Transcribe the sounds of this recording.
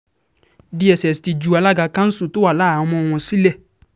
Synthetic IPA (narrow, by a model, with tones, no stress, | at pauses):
di˦ɛ˨sɛ˨sti˨d͡ʒu˨a˨˧la˦ɡa˨kã˦n̩˦su˨to˦a˨la˦˨˧mɔ̃˧˨w̃ɔ̃˨si˦lɛ˦˨